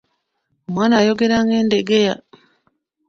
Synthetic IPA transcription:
omwaːnajoɡeɾaŋɡeːndeɡeja

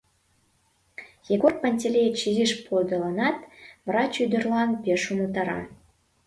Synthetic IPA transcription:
jeɡor̚pɑnʲtʲelʲejt͡ɕiziʃpʰold̪ɤlˠɑnɑt̪vrɑt͡ɕyd̪ə̆rlɑnpʲeʃumut̪ɑɾɑ̰

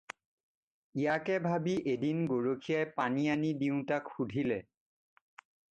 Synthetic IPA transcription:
ijakɛbʱabiʔedinɡoɹokʰijajpanijanidiʊ̃takxudʱilɛ

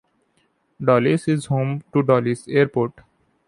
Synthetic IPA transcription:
ɖɔlisizhõːmʈuɖɔliseaɾpoɾʈ

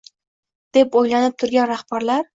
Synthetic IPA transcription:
d̪̥epojlanɪp̚t̪ʰʊɾɡʲanɾahb̥aɾlaɾ

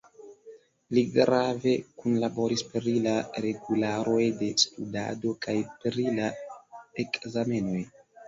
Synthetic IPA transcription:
liɡɾave̞kunlabo̞ɾispɾilaɾe̞ɡulaɾo̞jde̞studa̰do̞kajpɾila | ekzame̞no̞j

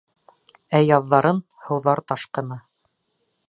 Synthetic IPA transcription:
æjɑðːɑɾɤn | hɤ̆wðɑɾt̪ɑʃqɤ̆nɑ

